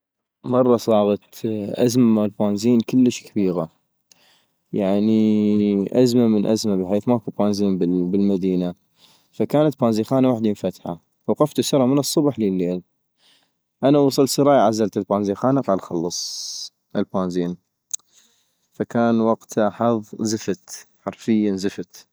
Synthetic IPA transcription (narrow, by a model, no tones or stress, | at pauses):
mɑrˤːɑsˤɑːɣɑt̪ʔazmalbaːnziːnkəlːəʃkabiːɣa | jaʕni | ʔazmamənʔazmabəħeːθmakubaːnziːnbɪbɪlmad̪iːna | fakaːnat̪̚baːnziːxaːnawaħd̪imɪnfat̪ħa̰ | waqɑft̪usɑɾˤɑmənɨsˤːʊbħləlːeːl | ʔanawɑsˤɨlsɑɾˤɑːjaʕazːalt̪ɪlbaːnziːxaːnaqɑːlxɑlːɑsˤ | ʔəlbaːnziːn | fakaːnwɑqt̪ʰaħɑðˤzəfat̪ħɑɾˤfɪjːazɪfat̪